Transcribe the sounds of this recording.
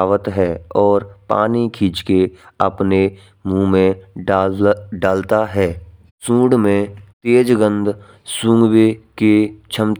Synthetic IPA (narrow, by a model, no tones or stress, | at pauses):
awət̪ɦɛːɔːɾpa̰ːnikʰiːd͡ʒkeəpne | mũmẽ | ɖaːlt̪aɦɛː | sũːɽmẽt̪eːd͡ʒɡə̃nd̪ | sũːŋɡweket͡ʃʰəmt̪